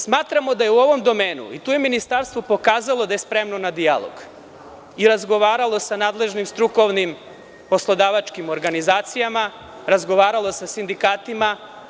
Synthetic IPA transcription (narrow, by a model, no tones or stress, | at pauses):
smaːt̪ɾamo̞d̪ajeuo̞ʋo̞md̪o̞meːnṵit̪uːjeminist̪aːɾst̪ʋopo̞kaːzalˠo̞d̪aje̞spɾe̞mnonad̪ija̰lˠo̰ɡ̥ | iɾazɡo̞ʋaːɾalˠo̞sanaːd̪le̞ʒnimst̪ɾuko̞ʋnim | po̞slˠo̞d̪aʋat͡ʃkimo̞ɾɡanizaːt̪sijama | ɾazɡo̞ʋaːɾalo̞sasind̪ikaːt̪ima